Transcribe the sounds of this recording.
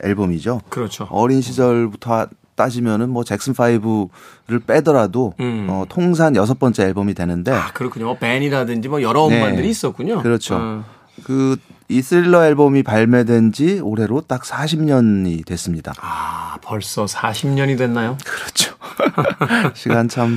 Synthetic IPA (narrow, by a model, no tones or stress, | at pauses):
ḛɭbomid͡ʑokɯɾʌt͡ɕʰoʌɾinɕʰid͡ʑʌɭbutʰʌ | t͈ad͡ʑimjʌnɯnmwʌt͡ɕe̞k̚s͈ɯnfʰaibɯɾɯɭp͈e̞dʌɾadoʌtʰoŋs̬ʰanjʌs̬ʰʌp͈ʌnt͡ɕ͈e̞ːɭbomidwe̞nɯnde̞kɯɾʌkʰuɲomʌpeɲiɾadɯnd͡ʑimʌjʌɾʌunemaɯɾiːs͈ʌt̚k͈uɲokɯɾʌt͡ɕʰo̰ | kɯisʰɯiɭːʌeɭbʌmipaɭmedwe̞nd͡ʑioɾɦe̞ɾot͈ak̚s͈ʰaɕʰimɲʌnidwe̞s͈ɯmɲida̰apʌɭs͈ʌsʰaɕʰimɲʌɲidwe̞nːajokɯɾʌt͡ɕʰo̥ | ɕʰiɡant͡ɕʰam